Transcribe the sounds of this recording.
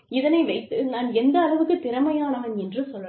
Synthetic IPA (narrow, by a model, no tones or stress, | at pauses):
ɪðɐnɐɪʋɐɪt̪ːɯnaːnɛnd̪ɐːlɐʋɯkːɯpɪɾɐmɐjaːnaːnɛndrɯsɔlːɐ